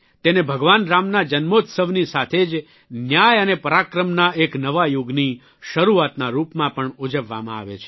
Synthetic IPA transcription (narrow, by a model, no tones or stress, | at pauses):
t̪enebʱəɡʋanɾamnad͡ʒənmot̪səʋnisat̪ʰed͡ʒ | njajənepəɾakɾəmnaeknəʋajuɡni | ʃəɾuat̪naɾupmãpəɳud͡ʒəʋːa̰mãa̰ʋḛt͡ʃʰe̥